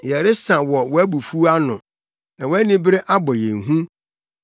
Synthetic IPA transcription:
jɛ˨ɾɪ˦sã˨wɔ˨wɔ˨æ˦bu˨fu˦a˦nʊ̃˨ | nã˨wɔ˦æ˦nɪ̃˦bɪ˦ɾɪ˦ʔa˦bɔ˨jɛ̃˨ŋɦũ˦

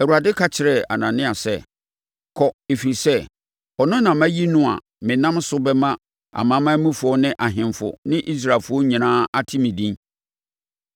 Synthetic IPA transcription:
ɛ˨wu˨ɾa˨dɪ˦kʰa˦t͡ɕʰɪ˨ɾɛ˨a̰˨nã˨nɪ̃˦a˨sɛ˦˨ | kʰɔ˨e˨fi˨ɾi˨sɛ˦ | ɔ˨nʊ̃˦nã˨mæ̃˦ji˦nʊ̃˦a̰˨ | mɪ̃˨nã˦msʊ˦bɛ˦mã˦ | a̰˨mã˨˦mã˦mũ˦fʊ˨˦ɔ˦nɪ̃˦ʔa˨ɦɪ̃˨mfʊ̰˨nɪ̃˦ʔi˦s̬ɾa˨lfʊ˦ɔ˦ɲĩ˨nãː˦a˦tʰɪ˦mĩ˨dĩ˦n

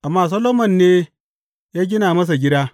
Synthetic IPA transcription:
ʔa˨mːaː˦˨s̬ɐ˦loː˦mɐ˨nːeː˦ | jaː˦ɡʲɪ˦naː˨mɐ˦s̬a˨ɡʲɪ˦daː˦

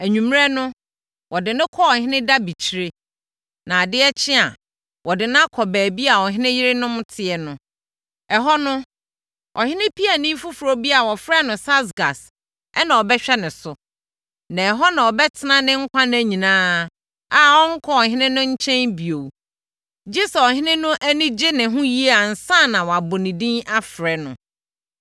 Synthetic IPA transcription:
æ˨ɲᶣũ˨m˦ɾɛ˦nʊ̃˦ | wɔ˨dɪ˨nʊ̃˦kʰɔ˦ɔ˨ɦɪ̃˦nɪ̃˦da˦bi˨t͡ɕʰi˨˦ɾe˦ | nã˨dɪ˦ɛ˦t͡ɕʰɪ˦a˨ | wɔ˨dɪ˨nã˦kʰɔ˨bæː˨bi˦a˨ɔ˨ɦɪ̃˦nɪ̃˦jɪ˦ɾɪ˦nʊ̃˦m˦tʰɪ˨ɛ˨nʊ̃˦ | ɛ˨ɦɔ˦nʊ̃˦ | ʔɔ̰˨hɪ̃˦nɪ̃˦pʰi˦a˨nɪ̃˦fu˦fu˨ɾo˦bi˦a˨wɔ˨fɾa˦nʊ̃˨sa˦sɡa˨s | ɛ˦nã˨ɔ˨bɛ˦ɕᶣɛ˦nɪ̃˨sʊ˨ | nã˨ɛ˨ɦɔ˦nã˨ɔ˨bɛ˦tʰɪ˨nã˦nɪ̃˦ŋ̩˦kʷʰã˦ñ˦æ˨ɲĩ˨nãː˦ | a˨wɔ˦ŋ̩˦kʰɔ˦ɔ˨hɪ̃˦nɪ̃˦nʊ̃˦ɲ̩˦t͡ɕʰɛ̃˦nbi˨o˨w | d͡ʑi˦sɛ˨ɔ˨ɦɪ̃˦nɪ̃˦nʊ̃˦ʔæ˦nĩ˦d͡ʑɪ˦nɪ̃˨ɦʊ̃˦ji˦e˦a˨n̩˨sã˦˨nã˨wɔ˨a˨bʊ˨nĩ˨dĩ˦na˦fɾɛ˨nʊ̰̃˨

